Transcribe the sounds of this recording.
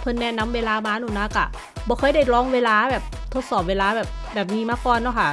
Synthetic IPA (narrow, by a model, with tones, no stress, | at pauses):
pʰɤ˧nːɛː˧˥na˧˥mweː˧laː˧maː˧˥nuː˨˩na˧˥ka˧˩ | bɔː˧˦kʰɤː˧˩jda˧˥˩jɾɔː˧˥ŋweː˧laː˧˥bɛː˨˩p̚ | t̪ʰo˦˥t̪̚sɔː˨˩p̚weː˧laː˧˥bɛː˨˩p̚bɛː˨˩p̚niː˦˥maː˧˥˩kɔː˧˩nːɔ˧˥˩kʰa˦˥˩